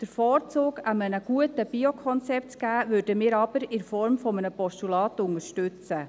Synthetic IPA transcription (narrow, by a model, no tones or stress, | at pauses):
d̥əɾfɔːɾt͡soːɡ̥əmənəɡ̥uətəb̥iokʰɔnt͡sɛp̚tt͡sɡ̥æːʋʉɾdəmɪːɾɑb̥əɾɪnfɔɾmfɔmənəpɔsʃtulɑːtʊŋəɾʃtʉt͡sə